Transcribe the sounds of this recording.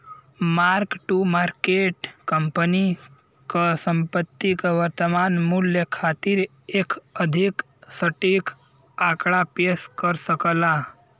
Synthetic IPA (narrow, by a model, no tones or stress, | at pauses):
maɾkʈumaɾkeʈkəmpəni | kəsəmpət̪ːikəʋəɾt̪əmanmuljəkʰat̪iɾ | ekəd̪ʱik | səʈik | akɽapeskəɾsəkəla